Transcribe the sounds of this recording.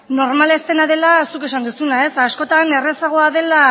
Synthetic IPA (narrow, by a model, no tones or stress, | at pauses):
no̞ɾmalest̪e̞nað̞e̞lasuke̞s̬and̪usunae̞sasko̞t̪ane̞re̞saɣ̞o̞aðe̞la